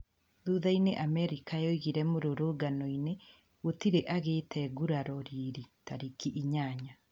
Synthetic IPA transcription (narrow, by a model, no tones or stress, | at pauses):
ðuðaineʔamɛɾikajɔiɣiɾɛmoɾoɾoɡanɔine | ɣotiɾeʔaɣetʰɛɡuɾaɾɔɾiɾitaɾikiʔiɲaɲa